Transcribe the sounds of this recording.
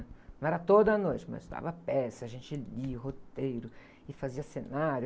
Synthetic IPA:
nɐ̃ɛɾɐt̪od̪ɐːnojt͡ʃɪmɐ̰zɪst̪a̰vɐpɛsɐaʒẽnt͡ʃɪliʊɦot̪ejɾʊ | ɪfaziɐsenaɾj

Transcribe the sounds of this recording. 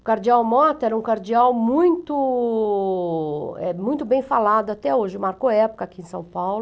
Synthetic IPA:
ʊkaɾd͡ʒiawmɔt̪ɛɾɐũkaɾd͡ʒiawmũj̃t̪ʊ | ɛ̰mũj̃t̪ʊbẽj̃falad̪ʊat̪ɛoʒɪmaɾkoɛpʊ̥kɐakiẽsɐ̃w̃pawlʊ

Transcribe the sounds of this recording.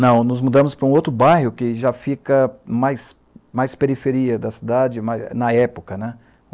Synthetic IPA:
nɐ̃w̃nʊzmud̪ɐ̃mʊspɾɐũowt̪ɾʊbajhʊkɪʒafikɐmajs | majspeɾifeɾiɐd̪ɐsid̪ad͡ʒɪmajnɐɛpokɐnɛ

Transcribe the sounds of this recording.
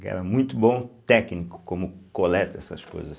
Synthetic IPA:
kɛ̰ɾɐmũj̃t̪ʊbõt̪ɛknikʊ̥kõmʊkolɛt̪ɐɛsɐʃko̰jzɐs

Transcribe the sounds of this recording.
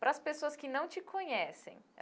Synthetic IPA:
pɾɐspesoɐskɪnɐ̃w̃t͡ʃɪkʰõɲɛsḛ̃j̃

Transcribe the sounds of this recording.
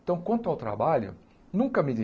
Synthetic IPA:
t̪ɐ̃w̃kwɐ̃nt̪ʊawt̪ɾa̰baʎʊ̰ | nũkɐmɪd̪i

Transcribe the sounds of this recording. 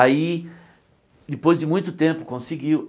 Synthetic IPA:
ai | d̪ɪpojzd̪ɪmũj̃t̪ʊt̪ẽmpʊkõsiɡiw

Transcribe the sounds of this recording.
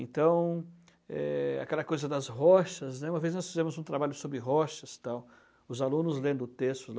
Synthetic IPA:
ẽnt̪ɐ̃w̃ | ɛ̰a̰kɛlɐkojzɐd̪ɐsɦɔʃɐznɛ̃mɐveznɔsfizẽmʊzũt̪ɾabaʎʊsobɾɪɦɔʃɐst̪aw | ʊzalũnʊzlẽnd̪ʊt̪est̪ʊl

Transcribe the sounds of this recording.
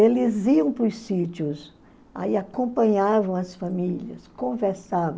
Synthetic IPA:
elɪziɐ̃w̃pʊsit͡ʃjʊs | a̰iakõmpɐ̃ɲavɐ̃w̃ɐsfamilɐ̰skõveɾsavɐ̃

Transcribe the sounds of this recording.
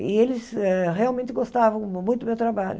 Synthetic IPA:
ɪelɪsɛʁealmẽnt̪ɪɡost̪avɐ̃w̃mũj̃t̪mewt̪ɾabaʎʊ̰

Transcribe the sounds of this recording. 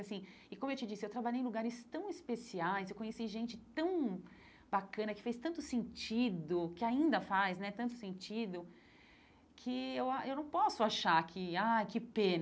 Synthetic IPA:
asĩ | ɪkõmʊewt͡ʃɪd͡ʒisɪewt̪ɾabaʎejẽluɡaɾɪst̪ɐ̃w̃ɪspesiajsewkõɲesiʒẽnt͡ʃɪt̪ɐ̃w̃ | bakɐ̃nɐkɪ̥fejst̪ɐ̃nt̪ʊsẽnt͡ʃid̪ʊkɪaĩnd̪ɐfajznɛt̪ɐ̃nt̪ʊ̥sẽnt͡ʃid̪ʊ | kʰɪewaʔewnɐ̃w̃pɔsʊaʃakʰɪajkɪpẽn

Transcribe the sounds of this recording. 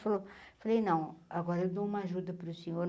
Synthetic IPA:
fɐlofɐlejnɐ̃w̃ɐɡɔɾɐewd̪oumɐaʒud̪ɐpɾusiɲoɾ

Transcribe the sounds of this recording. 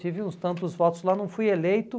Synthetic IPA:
ivɪũst̪ɐ̃nt̪ʊzvɔt̪ʊzlanɐ̃w̃fujelejt̪ʊ

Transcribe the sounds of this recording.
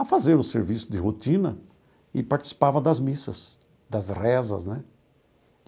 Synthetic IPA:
ɐfazeɾʊseɾvisʊd̪ɪɦot̪ĩnɐ̰ | ɪpaɾt̪t͡ʃi̥si̥pavɐd̪ɐzmisɐ̰s | d̪ɐzrɛzɐ̰znɛ

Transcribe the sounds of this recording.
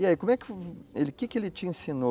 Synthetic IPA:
iaikõmʊɛkɪelɪkɪkɪelɪt͡ʃɪẽsino

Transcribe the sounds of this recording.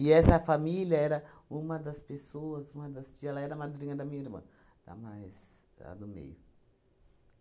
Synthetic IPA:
ɪɛsɐfamiljɐɛɾɐ | ũmɐd̪ɐspesoɐzũmɐd̪ɐst͡ʃiɛlɐɛɾɐmad̪ɾĩɲɐd̪ɐmĩɲɐiɾmɐ̰̃ | d̪a̰majz | la̰d̪ʊmḛjʊ

